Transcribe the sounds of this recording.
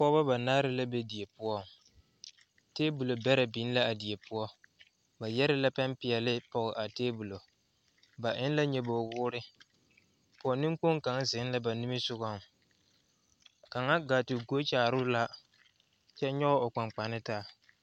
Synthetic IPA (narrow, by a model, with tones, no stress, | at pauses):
pɔ˦ba˦ba˨naː˦ɾɪ˦la˦be˦di˨e˨pʊ˦ɔ˦ | teː˦bu˨lo˨bɛ˦ɾa˨bi˨˦n˦la˦a˨di˨e˨pʊ˦ɔ˦ | ba˨jɛ˦ɾɪ˦la˦pa˦mpɪ˨ɛ˨lɪ˦pɔ˨ɣɪ˨ʔa˨teː˦bu˨lo˨ | ba˨ʔɪ˦n˦la˦ɲɛ˦bo˨wʊː˦ɾɪ˦ | pʊ˨ɔ˨nɪ˦ŋ˦k͡po˦ŋ˦ka˨˦ŋ˦zɪ˨˦n˦la˦ba˨nɪ˦mɪ˦sʊ˦ɣa˦˨m˨ | ka˨ŋa˦ɡa˨tɪ˨ɡo˦t͡ʃaː˨ɾʊ˦la˦ | t͡ʃɛ˦ɲɔ˦ɣɔ˦ʊ˨k͡pa˨ŋ͡mk͡pa˨nɪ˦taː˦˨